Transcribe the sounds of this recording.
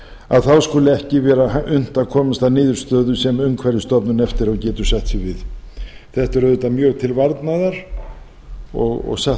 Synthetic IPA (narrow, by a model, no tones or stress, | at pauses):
a̰ðθawskuːlɪɛhcɪvɛːɾaaʔʏn̥t̪akʰɔːmast̪anɪːðʏɾ̥st̪œːðʏsɛmʏŋkʰvɛɾðɪst̪ɔpnʏnɛft̪ɪɾawcɛːt̪ʏɾ̥sɛht̪sɪvɪðθɛht̪ɛɾœðʏt̪amjœːɣt̪ʰɪlvaɾt̪naðaɾ̥ | ɔ̰ɣɔ̰ɣsah